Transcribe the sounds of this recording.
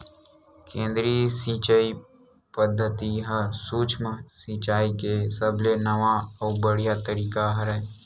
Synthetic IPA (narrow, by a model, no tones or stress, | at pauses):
kẽːnd̪ɾiːsĩːt͡ʃəi | pəd̪ʱːət̪iɦɐsuːt͡ʃʰmãsiːt͡ʃaːikesəblenɐʋaɔːbəɽ̤ijat̪əɾiːkaɦɐɾɛ